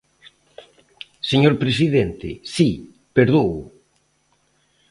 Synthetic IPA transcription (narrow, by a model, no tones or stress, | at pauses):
seɲoɾpɾes̬iðent̪ɪ̰si | peɾðoʊ